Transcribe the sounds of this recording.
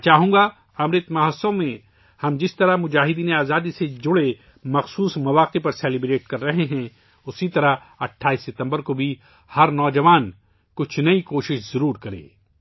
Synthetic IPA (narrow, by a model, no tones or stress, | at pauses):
t͡ʃaːɦũːɡa | ɐmɾɪt̪mɐɦəsõmẽ | hɐmd͡ʒɪst̪ɐɾamʊd͡ʒaːɦɪd̪iːneaːzaːd̪ised͡ʒʊɽe | mɐxsuːsmɐʋaːqepɐɾsɛːlɪbɾeːʈ̚kɐɾːɐɦeɦɛ̃ | ʊsit̪ɐɾa | ɐʈʰːaːiːsːɪt̪ɐ̃mbəɾkobʱi | hɐɾnɔːd͡ʒɐʋaːn | kʊt͡ʃʰnɐikoːʃɪʃzɐɾuːɾkɐɾḛ̃ː